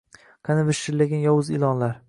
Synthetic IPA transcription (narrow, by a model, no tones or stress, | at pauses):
qʰanɪvɪʃɪɾlaɡʲanjɒwʊzɪlˠɒnlaɾ